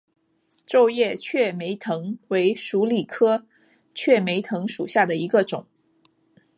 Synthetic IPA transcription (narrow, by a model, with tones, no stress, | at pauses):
ʈ͡ʂo˥˧ʊjɛ˥˩t͡ɕʰɥɛ˥˩me˧˥ɪt̪ʰɤ˧˥ŋwe˧˥ɪʂu˧˥li˨˩kʰɤ˥ | t͡ɕʰɥɛ˥˩me˧˥ɪt̪ʰɤ˧˥ŋʂu˨˩ɕja˥˩d̪ə˩i˧˥ɡə˧ʈ͡ʂʊ̰˨˩˦ŋ